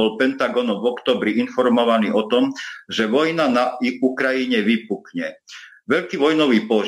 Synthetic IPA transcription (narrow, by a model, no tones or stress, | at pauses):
ɔlpɛnt̪aɡɔnɔmvɔkt̪ɔːbɾiʔinfɔɾmɔʋaniːʔɔt̪ɔmʒɛʋɔjnanaukɾajiɲɛʋipukɲɛ | ʋɛʎkiːʋɔjnɔʋiːpɔ